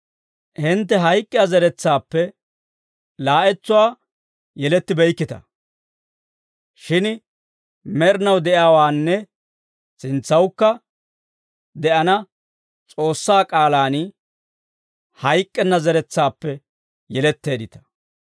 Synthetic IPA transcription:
hɪnt̪ːɛɦɐjkʼːɪjɐzɐɾɛt͡sːaːpːɛ | laːʔɛt͡sːʊwaː | jɛlɛt̪ːɪbɛjkːɪt̪ɐ̰ | ʃɪn | mɛɾnɐwd̪ɛʔjaːwaːnːɛ | sɪnt͡sːɐwkːɐ | d̪ɛʔɐnɐ | t͡sʼo̞ːsːaːkʼaːlaːn | hɐjkʼːɛnːɐzɐɾɛt͡sːaːpːɛ | jɛlɛt̪ːe̞ːd̪ɪt̪ɐ̥

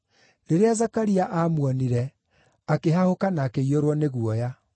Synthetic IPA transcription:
ɾeɾeazakaɾiaʔamwɔniɾɛ | akeɦahokanaːkeioɾwɔneɣuɔja

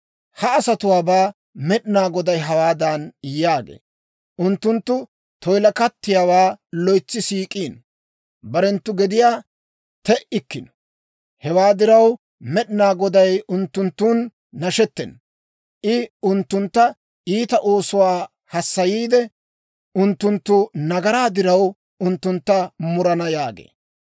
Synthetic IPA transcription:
hɐɐsɐt̪ʊwaːbaː | mɛɗɪnaːɡɔd̪ɐjɦɐwaːd̪ɐnɪjaːɡḛː | ʔʊnt̪ːʊnt̪ːʊ | t̪ɔjlɐkɐt̪ːɪjaːwaːlɔjt͡sːɪsiːkʼiːn | bɐɾɛnt̪ːʊɡɛd̪ɪjaː | t̪ɛʔɪkːɪn | hɛwaːd̪ɪɾɐw | mɛɗɪnaːɡɔd̪ɐjʊnt̪ːʊnt̪ːuːnː | ɐʃɛt̪ːɛ̰n | ʔɪʊnt̪ːʊnt̪ːɐ | ʔiːt̪ɐʔoːsʊwaː | hɐsːɐjiːd̪ɛ | ʊnt̪ːʊnt̪ːʊnɐɡɐɾaːd̪ɪɾɐw | ʔʊnt̪ːʊnt̪ːɐmʊɾɐnɐjaːɡḛː

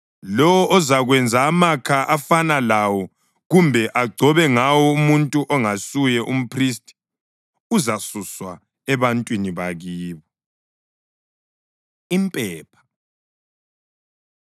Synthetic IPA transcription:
lɔwɔʔːzaɣwɛnd͡zʱaːmakʰaʔafanalawɔ | ɣumbʱɛʔaɡ͡ǀʱɔβɛŋawɔumuntʼuʔɔŋasujɛʔum̩pʰristʼi̥ | uzasuswa | ɛβantʼwiniβaɣiːβɔ | impʼɛːpʰḁ

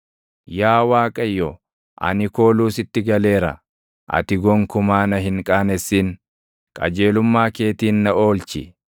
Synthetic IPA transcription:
jaːwaːkʼɐjːɔ | ʔɐ̰nɪko̞ːluːsɪt̪ːɪɡɐle̞ːɾɐ̰ | ʔɐ̰t̪ɪɡɔŋkʊmaːnɐɦɪŋkʼaːnɛsːiːn | kʼɐ̰d͡ʒe̞ːlʊmːaːke̞ːt̪iːnːɐo̞ːlt͡ʃɪ

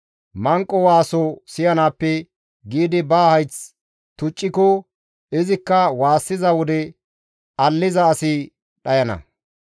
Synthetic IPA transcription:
mɐŋkʼːɔwaːsɔsɪjɐnaːpːɛ | ɡiːd̪ɪbaːhɐjt͡s | t̪ʊt͡ʃʼːɪkɔ | ɪzɪkːɐwaːsːɪzɐwɔd̪ɛ | ɐlːɪzɐːsɪ | ɗɐjɐnɐ̰

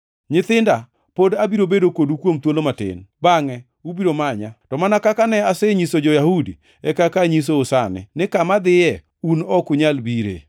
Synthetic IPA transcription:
ɲɪt̪ɪnda | podabiɾobedokodukwomt̪wolomatɪ̰nbaŋɛ | ubiɾomaɲatɔmanakakanɛasɛɲisod͡ʒɔjahudḭ | ɛkakaɲis̬oːsanɪ̰nɪkamad̪ɪjɛ | unɔkʊɲalbiɾḛ

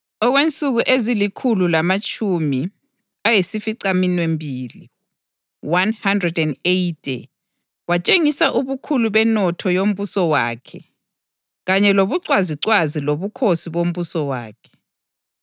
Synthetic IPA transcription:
ɔɣwent͡sʼuɣuʔezilikʰululamat͡ʃʼʰumi | ajisifiǀaminwembʱiːli | wanhandrɛdɛndetʰʼḭ | wat͡ʃʼeŋisaʔuβukʰuluβɛnɔtʰɔjom̩βusɔwa̰ːkʰɛ | ɣaɲɛloβuǀwaziǀwaziloβukʰosiβom̩βusɔwa̰ːkʰɛ̥

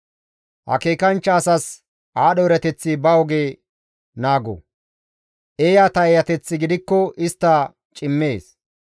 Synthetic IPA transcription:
hɐ̰keːkɐnt͡ʃːɐːsɐs | ʔaːɗɔɾɐt̪ɛt͡sːɪbɐwɔɡeː | naːɡɔ̰ | ʔeːjat̪ɐɛjɐt̪ɛt͡sːɪɡɪd̪ɪkːɔʔɪst̪ːɐ | t͡ʃʼɪmːe̞ːs

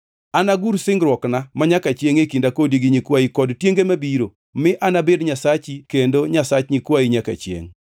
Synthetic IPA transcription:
anaɡuɾsɪŋɡɾwɔknamaɲakat͡ʃjeŋekindakodiɡiɲikwaikɔdtjeŋɡemabiɾo | mɪʔanabedɲasat͡ʃikendoɲasat͡ʃɲikwaiɲaka̰t͡ʃjḛŋ

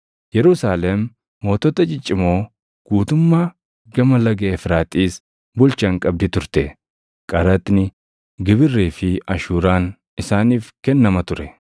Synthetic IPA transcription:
jɛɾʊsaːlɛmː | o̞ːt̪ɔt̪ɐd͡ʒɪt͡ʃʼːɪmo̞ː | ɡ̥uːt̪ʊmːaː | ɡɐmɐlɐɡeːfɾaːt̪ʼiːs | bʊlt͡ʃɐŋkʼɐb̚d̪ɪt̪ʊɾt̪ɛ | kʼɐɾɐt̪ʼnɪ | ɡɪbɪrːeːfɪɐʃuːɾaːn | ɪsaːniːfkɛnːɐmɐt̪ʊɾɛ

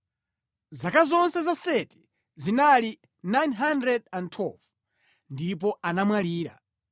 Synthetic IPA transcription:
zakazɔnsɛzasɛti̥ | zinali | najnɦandɾɛd̚antʰwɛlv | ndip̬ɔanamwaliːɾa̰

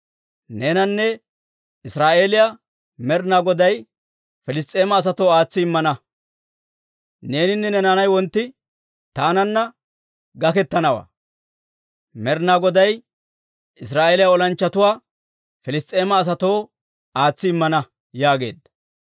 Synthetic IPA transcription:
ne̞ːnɐnːɛ | ɪsɾaːʔe̞ːlɪja | mɛɾnaɡɔd̪ɐj | fɛlɪs̬t̪ʼːe̞ːmɐːs̬ɐt̪o̞ːaːt͡sːɪɪmːɐnɐ | ne̞ːnɪnːɛnɛnaːnɐjwɔnt̪ːɪ | t̪aːnɐnːɐ | ɡɐkɛt̪ːɐnɐwa̰ː | mɛɾnaɡɔd̪ɐj | ʔɪsɾaːʔe̞ːlɪjaɔlɐnt͡ʃːɐt̪ʊwaː | fɛlɪst̪ʼːe̞ːmɐːs̬ɐt̪o̞ː | aːt͡sːɪɪmːɐnɐ | jaːɡe̞̰ːd̪ɐ

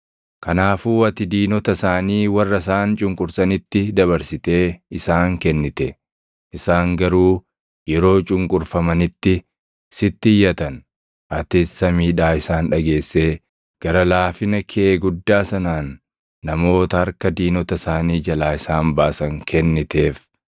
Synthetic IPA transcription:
kɐnaːfuːɐt̪ɪd̪iːnɔt̪ɐsaːniːwɐrːɐs̬aːnt͡ʃʼʊŋkʼʊɾsɐnɪt̪ːɪd̪ɐβɐɾsɪt̪e̞ːɪsaːŋkɛnːɪt̪ɛ | ʔɪsaːŋɡɐɾuː | jɛɾo̞ːt͡ʃʼʊŋkʼʊɾfɐmɐnɪt̪ːɪ | sɪt̪ːɪjːɐt̪ɐn | ʔɐt̪ɪsːɐmiːᶑaːɪsaːnᶑɐɡe̞ːsːe̞ː | ɡ̥ɐɾɐlaːfɪnɐkʰɛeːɡʊd̪ːaːsɐnaːnː | ɐmo̞ːt̪ɐhɐɾkɐd̪iːnɔt̪ɐsaːniːd͡ʒɐlaːɪsaːmbaːsɐŋkʰɛnːɪt̪e̞ːf

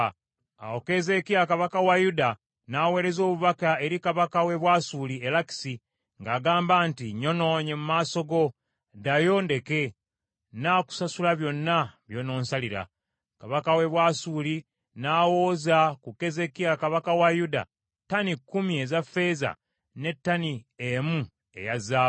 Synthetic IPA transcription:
a̰woke̞ze̞kijakaβakawajuda | nawe̞ːɾe̞zo̞ːβuβakae̞ɾikaβakawe̞βwasulielaki̥si | ŋɡaːɡaːmbaːntiɲo̞no̞ɲemumaːso̞ɡo̞ | dajo̞nde̞ke̞ | naku̥sasulaβjo̞nːaβjo̞no̞ːnsaliɾa̰ | kaβakawe̞βwasuli | naːwo̞ːzakuke̞ze̞kiakaβakawajuda̰ | tanikːumie̞zafːe̞za̰ | ne̞tːaniemu | e̞̰jazaː

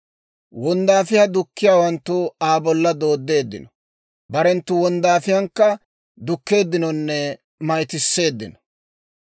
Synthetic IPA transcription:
wɔnd̪aːfɪjad̪ʊkːɪjaːwɐnt̪ːʊaːbɔlːɐd̪o̞ːd̪ːe̞ːd̪ːɪ̰nɔ̥ | bɐɾɛnt̪ːʊwɔnd̪aːfɪjɐŋkːɐ | d̪ʊkːe̞ːd̪ːɪnɔnːɛ | mɐjt̪ɪsːe̞ːd̪ːɪnɔ̥

